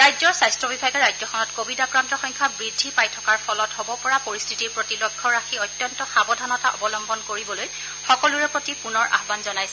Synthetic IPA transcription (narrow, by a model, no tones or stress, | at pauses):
ɹajzɔɹsajstɹɔbibʱaɡɛɹajzɔxʰɔnɔtkobidakɹantɔxɔŋkʰabɹidʱːipajtʰɔ̥kaɹpʰɔlɔtɦɔbɔpɔɹapoɹistʰitiɹpɹotilɔɡʱːɔɹakʰiɔjtjɔntɔxabɔdʱanɔtaʔɔ̰bɔlɔmbɔnkoɹibɔloj | xɔkɔluɹɛpɹotipunɔɹʔa̰ɦbanzɔnajsɛ